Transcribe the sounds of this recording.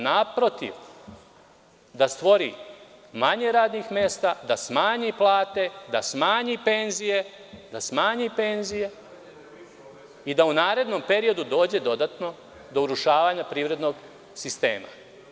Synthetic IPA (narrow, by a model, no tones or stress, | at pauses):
napɾo̞t̪ḭʋ | d̪ast̪ʋo̞ɾḭmaɲeɾaːd̪nixme̞st̪ad̪asmaːɲiplˠaːt̪e̞d̪asmaːɲipe̞nzije̞ | d̪asmaːɲipe̞nzije̞ | id̪aunaːɾe̞d̪no̞mpe̞ɾio̞d̪ud̪o̞ːd͡ʑe̞d̪o̞d̪at̪no̞ | d̪ouɾuʃaːʋaːɲapɾiːʋɾe̞d̪no̞ɡ | sist̪e̞̰ːma̰